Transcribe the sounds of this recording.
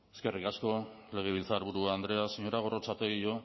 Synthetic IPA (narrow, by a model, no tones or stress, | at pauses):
e̞ske̞rikasko̞ | le̞ɣ̞eβ̞ilt͡saɾβ̞uɾuaːnd̪ɾe̞asiɲo̞ɾaɣ̞o̞ro̞t͡sat̪eɣio̞